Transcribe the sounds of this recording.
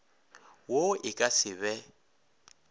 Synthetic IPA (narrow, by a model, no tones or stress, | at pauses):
woɪkʼasɪβɛ